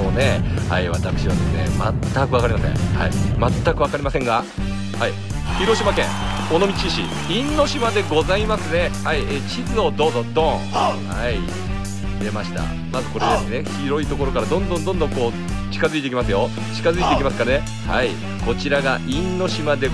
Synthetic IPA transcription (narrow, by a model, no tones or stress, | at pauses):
oːne̞ha̰iβat̪akɯ̟̥ɕiβad̪e̞sɨne̞̰ma̰t̪ʰːakɯ̟βakaɾʲimasḛ̃ha̰ḭ̃mat̪ːakɯ̟βakaɾʲimasẽ̞ŋɡa | hai | çiɾo̞ɕimakẽ̞ŋ | o̞no̞mʲit͡ɕiɕḭ | ĩnːo̞ɕimad̪e̞ɡo̞zaimasɨne̞haieɕizɨo̞d̪o̞ːzod̪õ̞ | hai | d̪e̞maɕi̥t̪a̰ | mazɨko̞ɾe̞d̪esɨne̞çiɾo̞it̪o̞koɾo̞kaɾad̪õ̞nd̪õnd̪õnd̪oŋko̞ː | t͡ɕi̥kazɨit̪eikʲimasɨjo̞ | t͡ɕi̥kazɨit̪eikʲimasɨ̥kane̞ | ha̰i | ko̞t͡ɕiɾaɡaʔĩnːo̞ɕimad̪e̞